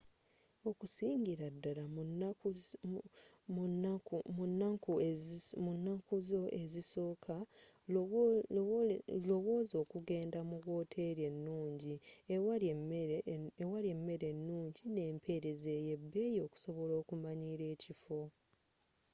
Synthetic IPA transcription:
o̞kusiːɲɟiɾadːala | nːakumunːakuzo̞e̞ziso̞ːkʰa | lo̞βo̞ːzo̞ːkuɡe̞ːndamuɣwo̞ːtʰe̞ɾje̞nːuːɲɟia | ewale̞mːe̞ɾe̞nːuːɲɟine̞ːmpʰe̞ɾe̞ze̞je̞bːe̞ːjo̞ːku̥so̞βo̞lo̞ːkumaɲiɾe̞ːcifo̞

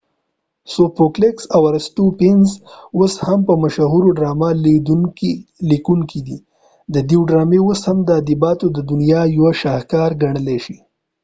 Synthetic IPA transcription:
sopokleksawaɾst̪upɪnzoshampəmaʃaɦuɾoɖɾɑmal | likuŋkid̪i | d̪əd̪iwɖɾɑmewoshamd̪əad̪ibɑt̪od̪əd̪ʊnijɑjwaʃɑhkɑɾɡaɳəleʃi

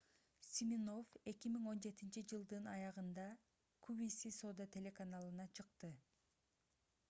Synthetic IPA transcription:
sʲimʲino̞fe̞kʲimiŋo̞nd͡ʒe̞t̪int͡ʃid͡ʒɯlˠd̪ɯnɑjɑʁɯnd̪ɑ | kʰubisʲiso̞d̪at̪ʰʲe̞lʲe̞kanalˠɯnɑt͡ʃʰɯqt̪ɯ

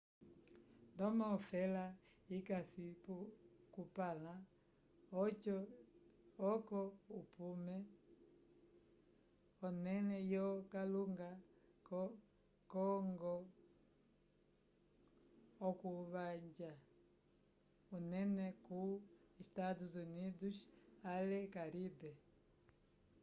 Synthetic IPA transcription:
ndɔmaɔfɛla | ikasipukupala | ɔkɔupumɛ | ɔnɛnɛjɔkaluŋɡa | k | kɔŋɡɔ | ɔkuβaɲd͡ʒa | unɛnɛkuistatuzuniduʃalɛkaɾibɛ

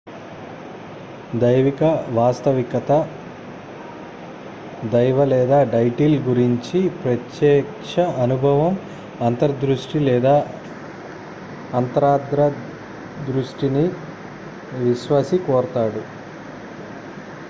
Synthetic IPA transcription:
d̪ɐjʋikɐʋaːst̪ɐʋikɐt̪ɐ | d̪ɐjʋɐlɛːd̪aːɖɐjʈiːlɡuɾiɲt͡ʃipɾɐt̪jɛːkʂɐʔɐnubʱɐʋɐm | ɐnt̪ɐɾɐd̪ɾuʂʈilɛːd̪aː | ɐnt̪ɐɾaːd̪ɾɐ | d̪ɾuʂʈini | ʋiʃʋaːsikɔːɾɐt̪aːɽu

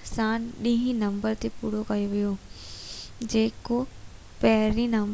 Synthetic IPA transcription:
saːnɗĩɦĩnɐ̃mbəɾt̪epuːɽ̤okɐjoʋijo | d͡ʑeːko | pɐɦɾinɐm

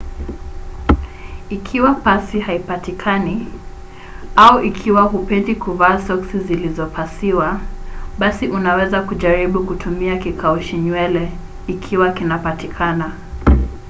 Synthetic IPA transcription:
ikʰiwapasihaipatikʰani | auʔikʰiwaɦupɛndikuvaːsɔksizilizɔpʰasiwaɓasiʔunawɛzakuʄaɾiɓukutʰumiakikauʃiɲwɛlɛ | ikʰiwakinapatikʰana

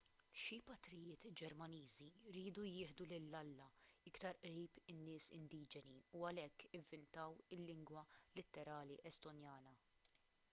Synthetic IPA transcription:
ʃipɐt̪ɾɪjɪːt̪d͡ʒɛɾmɐniːziɪɾiːd̪ujɪːħd̪ulɪlːɐlːɐɪkt̪ɐɾʔɾiːpɪnːɪːsɪ̰nd̪iːd͡ʒɛniuɐlɛkːɪvːɪnt̪ɐwɪlːɪŋɡwɐlɪt̪ːɛɾɐːliʔɛst̪ɔnjɐːnɐ

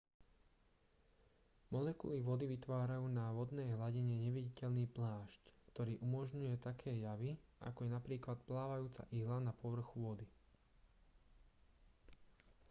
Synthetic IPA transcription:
mɔlɛkṵliʋɔd̪iʋit̪ʋaːɾajuːnaʋɔd̪nɛjɦlaɟɛɲɛɲɛʋiɟicɛʎniːplaːʃckt̪ɔɾiːʔumɔʒɲujɛt̪akʰɛːjaʋiʔa̰kɔjɛnapɾiːklat̪plaːʋajuːt͡sa̰ʔiɦlanapɔʋr̩xuʋɔd̪i

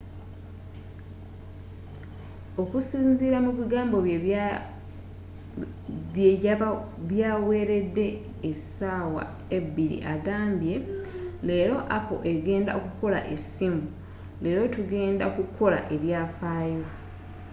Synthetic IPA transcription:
o̞kusiːnziːɾamuβiɡaːmbo̞ | βje | βjaːwe̞ːɾe̞dːe̞ː | saːwa̰ | e̞bːiɾḭʔaɡaːmbje̞le̞ːɾo̞ʔapo̰ʔe̞ɡe̞ːnda̰okuko̞la̰ʔesimu | le̞ːɾo̞tuɡe̞ːndaokukʰo̞la̰ʔe̞βjaːfaːjo

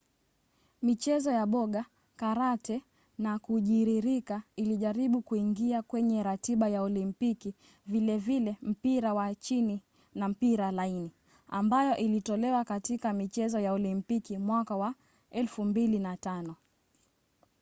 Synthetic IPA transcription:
mit͡ʃɛzɔjaɓɔɠa | kaɾatɛ | nakuʄiɾiɾikailiʄaɾiɓukuiŋɡiakwɛɲɛɾatiɓajaɔlimpiki | vilɛvilɛm̩piɾawat͡ʃini | nam̩piɾalaini | a̰mbajɔʔilitɔlɛwakatikamit͡ʃɛzɔjaɔlimpikimwakawa | ɛlfumbilinatanɔ

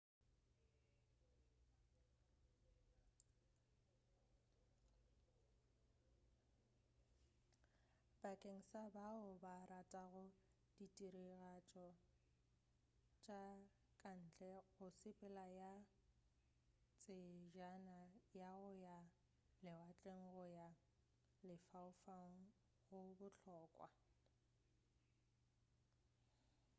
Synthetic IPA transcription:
b̥akʼeŋ̩sabaʊbaratʼaɣʊ | d̥itʼiɾiɣat͡ʃʼɔ | t͡ʃʼa | kʼan̩ːt͡ɬʼɛɣʊsɪpʼɪlaja | t͡sʼɪʒanajaɣʊja | lɪwat͡ɬʼeŋ̩ɣʊja | lɪfaʊfaŋ̩ | ɣʊbʊt͡ɬʰɔːkʼwa̰

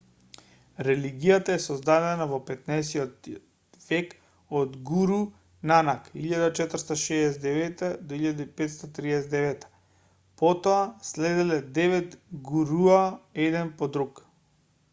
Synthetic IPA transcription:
ɾɛliɡijat̪aɛsɔzd̪ad̪ɛnavɔpɛt̪naɛsiɔt̪ | vɛk | ɔd̪ɡuɾu | nanakiʎad̪at͡ʃɛt̪ɾ̩st̪aʃɛːsɛd̪ɛvɛt̪ɛd̪oiʎad̪ipɛt̪st̪at̪ɾiɛsɛd̪ɛvɛt̪ḁ | pɔt̪ɔaslɛd̪ɛlɛd̪ɛvɛt̪ɡuɾuaɛd̪ɛnpɔd̪ɾuk

